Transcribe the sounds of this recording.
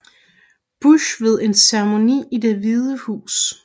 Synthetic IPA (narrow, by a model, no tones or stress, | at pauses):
b̥uɕʋe̝ð̞ˠe̝nseʁəmo̝nḭːide̝ʋið̞ˠəhṵːs